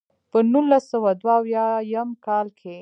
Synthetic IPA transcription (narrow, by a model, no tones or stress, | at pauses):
pənulasəwad̪waːwjɑjamkɑlkʰe